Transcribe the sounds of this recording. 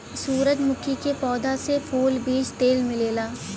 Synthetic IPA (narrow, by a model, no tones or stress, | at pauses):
suːɾəd͡ʒmʊkʰikepɔːd̪asepʰuːlbiːd͡ʒt̪eːlmɪleːlaː